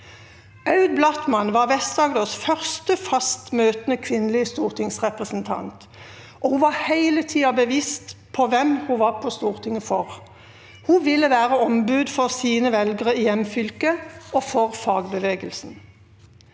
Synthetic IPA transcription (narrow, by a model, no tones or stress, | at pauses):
ɑʉd̪̚blɑt̪mɑnʋɑːʁʋɛsd̪ɑːɡd̪oːsfœʁst̪əfɑst̪møːt̪ənəkʰʋɪnːlɪəst̪uːʁt̪ʰɪŋsʁɛpʁəsn̩t̪ʰɑ̰nt̪ | ʔɔhuːʋɑːhæɪlət̪ʰiːɑbəʋiːst̪pʰɔʋɛmhuʋɑːʁpʰɔst̪uːʁt̪ʰɪŋəfɔʁ | huːʋɪlːəʋæːʁəɔmbʉd̪fɔʁsiːnəʋɛlɡəʁəɪjɛmfʏlkəɔːfɔʁfɑːɡbəʋeːɡəlsn̩